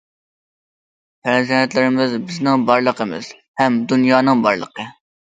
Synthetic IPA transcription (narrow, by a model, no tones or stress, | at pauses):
pʰɛɾzɛnɛt̪lɪɾɪmɪzbɪznɪŋbɑɾlˠəqʰəmɪ̰z̥ | hɛmd̪unjɑːnɨŋbɑ̰ɾlˠə̰qə